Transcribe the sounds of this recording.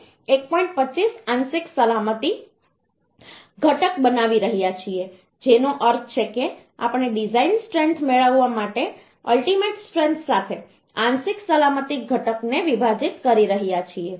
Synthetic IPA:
ek̚pɔĩɳʈ̚pət͡ʃːisãnsɪksəlamət̪i | ɡʱəʈəkbənaʋiɾəɦijat͡ʃʰie | d͡ʒenoʔəɾt̪̚ʰt͡ʃʰeke | a̰pɳ̃eɖid͡ʒainsʈɾent̪ʰmeɭəʋːamaʈe | əlʈimeʈsʈɾẽnt̪ʰsat̪ʰe | ãnsiksəlamət̪iɡʱəʈəkneʋibʱad͡ʒit̪kəɾiɾəɦijat͡ʃʰie

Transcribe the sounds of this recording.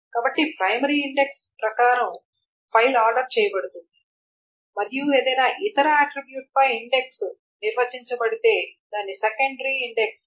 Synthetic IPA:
kaːbɐʈːipɾɐjmɐɾiːɳɖeks | pɾɐkaːɾɐm | pʰɐjlaːɾɖɐɾt͡ʃɛːjɐbɐɽut̪und̪i | mɐɾijue̞ːd̪ɐjnaːʔit̪ɐɾɐaːʈɾibjuːʈ̚pɐjiɳɖe̞ks | niɾʋɐt͡ʃiɲt͡ʃɐbɐɽit̪e̞ːd̪aːnːisekɐɳɖɐɾiːɳɖeks

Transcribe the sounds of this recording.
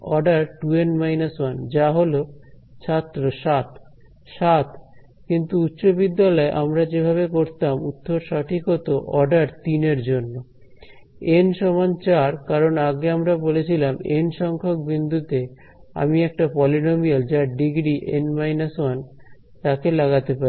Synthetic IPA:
ɔɖaɾʈuenmajnaswand͡ʑaɦolot͡ɕʰat̪ːɾoʃat̪ | ʃat̪ | kint̪uut̪ːɕobid̪ːalɔeʔamɾad͡ʑebʱaβekoɾt̪amut̪ːoɾʃaʈʰikɦot̪oʔɔɖaɾt̪ineɾd͡ʑonːo | enʃɔmant͡ɕaɾkaɾonaɡeamɾabolet͡ɕʰilamenʃɔŋkʰok̚bind̪ʱut̪e | a̰miɛk̚ʈapɔlinomiald͡ʑaɾɖiɡɾiʔḛnmajnaswan | t̪akelaɣat̪epaɾi

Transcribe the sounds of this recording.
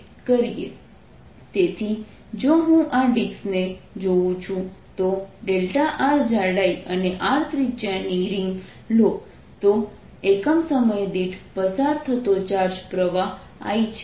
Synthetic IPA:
kəɾijḛ | t̪et̪ʰi | d͡ʒoɦũʔaɖiksned͡ʒoũt͡ʃʰũt̪oɖelʈaʔaɾd͡ʒaɽajʔəneʔaɾt̪ʰɾit͡ʃaniɾiŋɡ | lok | t̪o | ekəmsəməjd̪iʈʰpəsaɾt̪ʰət̪ot͡ʃaɾd͡ʒpɾəʋaɦ | a̰jt͡ʃʰ

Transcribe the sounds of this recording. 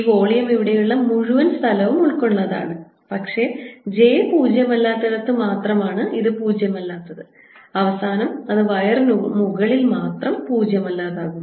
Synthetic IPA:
iʋo̞ːɭijɐmeʋiɽejuɭːɐmuɻuʋɐnst̪ʰɐlɐʋumuɭko̞ɳːɐða̰ːɳɨ | pɐkʂe̞d͡ʑe̞ːpuːd͡ʑjɐmɐlːaːt̪ːɐðɐt̪ːɨmaːt̪rɐmaːɳɨʔiðɨpuːd͡ʑjɐmɐlːaːt̪ːɐðɨ | ɐʋɐsaːnɐmɐðɨʋɐjɐrnmuɣɐɭilmaːt̪rɐmpuːd͡ʑjɐmɐlːaːðaːɣunː

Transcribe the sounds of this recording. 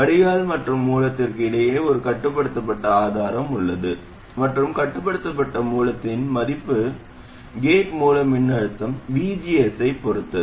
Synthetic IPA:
ɐɽɪjaːlmɐʈrɯmːuːlɐt̪ːɪrkɪɽɐjeːɔɾɯkɐʈːɯp̬ːɐɽɯt̪ːɐp̬ːɐʈːɐaːðaːɾɐmʊɭːɐðɯ | mɐʈrɯmkɐʈːɯp̬ːɐɽɯt̪ːɐp̬ːɐʈːɐmuːlɐt̪ːɪnmɐðɪpːɯ | ɡeːʈmuːlɐmɪɳːɐɻɯt̪ːɐmʋiːd͡ʒijɛsɐɪpːɔɾɯt̪ːɐ

